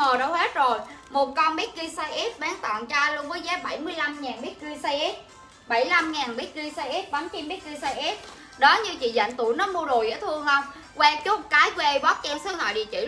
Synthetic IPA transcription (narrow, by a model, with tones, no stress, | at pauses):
əː˨˩ɗə˧whe˦˥t̚zo˨˩jmo˨˩t̚kɔ˧nɓi˦˥t̚ɣi˧saː˧jʔi˦˥p̚ɓaː˨˦ŋt̪ɔ̰˧˨nt͡ɕaː˧lu˧əŋvəː˨˦jzaː˨˦ɓa˧˩jmɨ˧əjla˧mŋaː˨˩nɓi˦˥t̚ɣi˧sa˧jʔɛ˦˥p̚ | ɓa˧˩jla˧mŋaː˨˩nɓi˦˥t̚ɣi˧sa˧jʔi˦˥p̚ɓa˨˦mt͡ɕi˧mɓi˦˥t̚ɣi˧sa˧jʔɛ˦˥p̚ | ɗɔ˨˦ɲɨ˧t͡ɕḭ˧˨zə̰˧˨ŋ̟t̪u˧˩jnɔ˨˦mu˧əɗo˨˩jʔɛ̰˧˥˦t̪ʰɨ˧əŋʔə˧wŋ͡m | kwɛ˧t͡ɕʊ˦˥k͡p̚kaː˨˦jkwe˧ɓɔ˦˥t̚t͡ɕɛ˧msəː˧˨˦hɔ̰˧˨ɗi˨˩t͡ɕḭ˧˩